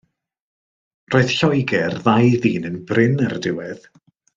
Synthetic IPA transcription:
roːɨð̥ɬɔjɡɛrðajðiːnənbrɪnardɪwɛð̥

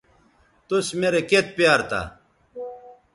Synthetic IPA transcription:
t̪usmeɾeket̪̚pijaːɾt̪a̰

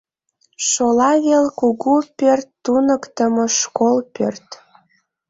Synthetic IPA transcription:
ʃolɑɣelkuɣupørt̪ːunəkt̪əmoʃkolpø̰rt̪

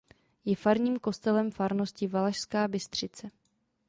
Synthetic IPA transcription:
jɛfaɾɲiːmko̞st̪ɛlɛmfaɾno̞scɪvalaʃskaːbɪst̪r̝̥ɪt͡sɛ

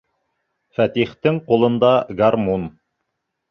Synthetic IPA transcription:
fæt̪iχt̪ɘɴqulˠɤ̆nd̪ɑɡarmun

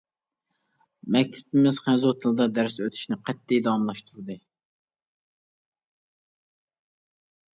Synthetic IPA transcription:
mɛkʲt̪ʰɪ̥pɪmɪz̥χɛzot̪ʰɨlˠd̪ɑd̪æɾsøt̪ʰy̥ʃnɪqʰɛt̪ːijd̪ɑmlˠɑʃt̪ʰuɾɨd̪ɨ

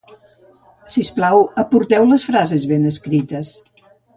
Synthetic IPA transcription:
sisplawəpuɾt̪ɛwləsfɾazəzβenəskɾit̪əs

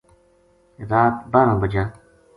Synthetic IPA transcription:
ɾaːt̪baːɾãːbəd͡ʒãː

